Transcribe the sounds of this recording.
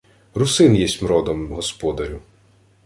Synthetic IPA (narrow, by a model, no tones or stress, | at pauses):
rʊsɪnjɛsʲmɾɔd̪ɔmɦɔspɔd̪ɐɾʲʊ